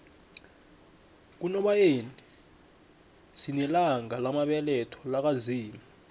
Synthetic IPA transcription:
k̬unɔɓajeni | sinilaŋalamaɓɛlɛtʰɔ̥lak̬aziːmi

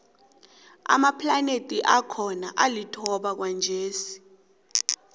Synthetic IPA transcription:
a̰mapʰlanetʼiʔakʰɔna̰ʔalitʰɔɓak̬wand͡ʒʱeːsi̥

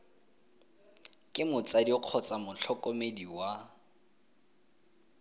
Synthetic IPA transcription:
kʼɪmʊt͡sʼadiɔq͡χʰɔt͡sʼamʊt͡ɬʰɔkʼomediwa

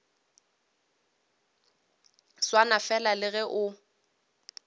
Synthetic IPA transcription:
swanafɛlalɪɣɛʔʊ

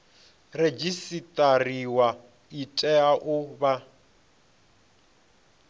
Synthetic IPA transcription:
red͡ʒisitʼariwa | itʼɛaʔʊba

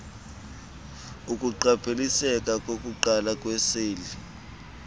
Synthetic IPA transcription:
ukʼuǃapʰʼelisɛkʼakʼokʼuǃalakʼwɛseːli

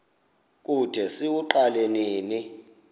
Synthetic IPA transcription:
kʼud̥ʱɛsiwuǃaleniːni

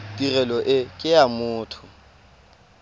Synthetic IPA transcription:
tʼirɛlɔʔɪkʼɪamʊːtʰʊ̥

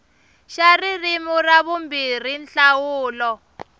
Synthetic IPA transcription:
ʃaririmuraβumbir̤inɬawuːlɔ

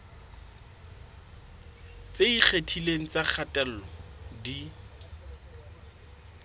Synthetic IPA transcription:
t͡seik͡xʰetʰileŋ̩t͡sak͡xʰatʼɛl̩ɔdi

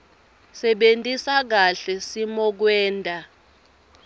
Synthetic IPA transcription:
sɛɓentʼisak̬aɬɛsimɔk̬wɛːntʼa

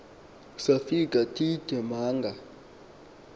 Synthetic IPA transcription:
safikʼatʰʼitɛmaːŋɡʱa

